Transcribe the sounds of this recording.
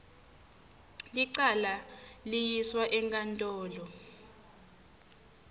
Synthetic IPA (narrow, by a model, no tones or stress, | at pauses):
liǀalalijiswaʔɛŋkʼantʼɔːlɔ